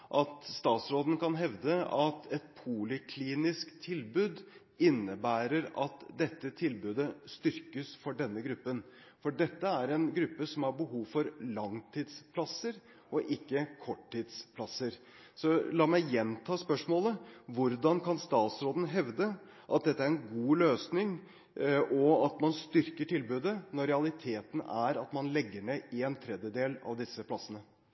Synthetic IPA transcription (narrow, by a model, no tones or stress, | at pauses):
ʔɑt̪st̪ɑːt̪sɾoːd̪n̩kɑnɦɛʋd̪əɑt̪ʰɛt̪pʰʊlɪkʰliːnɪskt̪ʰɪlbʉːd̪ | ɪnːəbæːɾəɾɑt̪d̪ɛt̪ːət̪ʰɪlbʉːd̪əst̪ʏɾkəsfɔɖɛnːəɡɾʉpːən | fɔɖɛt̪ːəæɾɛnɡɾʉpːəsɔmhɑɾbəɦuːʋfɔɾlɑŋt̪ʰiːd̪spʰlɑsəɾ | ɔʔɪkːəkʰɔʈʰːiːd̪spʰlɑsəɾ | sɔlɑːmæɪjɛnt̪ʰɑːspœʂmoːləʋʊɾd̪ɑnkʰɑnst̪ɑːt̪sɾoːd̪ən̩ɦɛʋd̪ə | ʔɑt̪̚d̪ɛt̪ːəæɾɛnɡuːløːsnɪŋ | ʔɔɑt̪mɑnst̪ʏɾkəʈʰɪlbʉːd̪ənɔɾɛɑlˠɪt̪ʰeːt̪n̩æɾɑt̪mɑnlɛɡːəɳeːɪɛnt̪ʰɾɛd̪jəd̪eːlɑ̰ʋd̪ɪsːəpʰlɑsːənə